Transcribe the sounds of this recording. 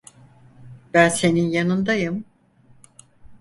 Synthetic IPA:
bænse̞ninjanɯnd̪ajɯm

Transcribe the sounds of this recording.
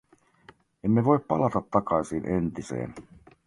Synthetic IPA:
emːeʋo̞ippɑlɑt̪ɑt̪ːɑkɑjsinʔe̞nt̪isḛːn

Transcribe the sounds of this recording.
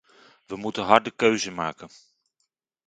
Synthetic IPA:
ʋəmutənɦɑɹdəkøɥzənma̰ːkən

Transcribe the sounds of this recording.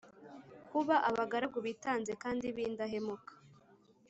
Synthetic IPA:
kuβaʔaβaɡaɾaɡoβiːtaːnze̞kaːndiβiːndaɦe̞mokḁ

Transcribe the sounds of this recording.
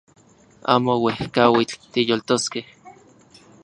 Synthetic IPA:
a̰ːmowehkawit͡ɬt̪ijolt̪oskeh

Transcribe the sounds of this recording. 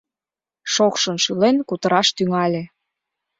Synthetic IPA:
ʃokʃənʃylenkut̪əɾɑʃt̪yŋɑlʲĕ

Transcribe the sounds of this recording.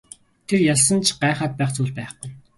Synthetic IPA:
t̪ʰerjaɮsə̆nt͡ɕʰɢaːχaːt̪̚pæːχt͡suːɮpæːχŭj

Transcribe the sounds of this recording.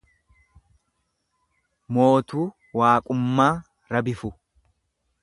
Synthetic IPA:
mo̞ːt̪uː | waːkʼʊmːaː | ɾɐbɪfʊ

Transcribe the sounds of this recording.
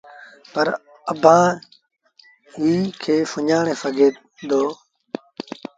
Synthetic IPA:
pəɾ | əbʱãː | ɦiːkʰeːfʊɲaːɳeːfəɡʱeː | d̪oː

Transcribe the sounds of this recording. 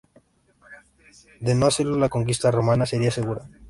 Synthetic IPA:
d̪enoaθeɾlolako̞ŋk̬ist̪aromanaseɾiase̞ɣ̞uɾa

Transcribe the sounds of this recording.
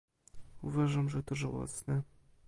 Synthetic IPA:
uvaʐamʐɛt̪ɔʐɛ̰wɔ̰t̪snɛ

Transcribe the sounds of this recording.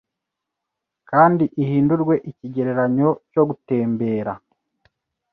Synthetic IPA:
kaːndiʔihiːnduɾɡwe̞ʔiciɟe̞ɾe̞ɾaɲo̞co̞ɡute̞ːmbe̞ːɾa

